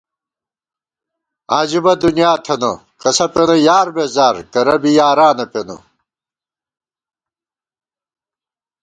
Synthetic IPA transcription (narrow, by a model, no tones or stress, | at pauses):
aːd͡ʑibɐd̪unijaːt̪ʰeno | kɐsɐpenɐjaːɾbeːzaːɾkɐɾɐbijaːɾaːnɐpeno̰